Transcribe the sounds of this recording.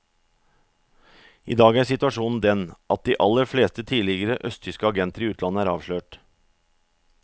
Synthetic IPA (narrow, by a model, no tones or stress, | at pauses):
ḭːd̪ɑːɡæːsɪt̪ʉɑʂuːnn̩d̪ɛnʔɑt̪̚d̪iːʔɑləɾfleːst̪ət̪ʰiːlɪɡəɾəʔœst̪ʰʏskəɑɡɛnt̪əɾiːʉːt̪ʰlɑnəæːɾɑːʋʂɭøːʈ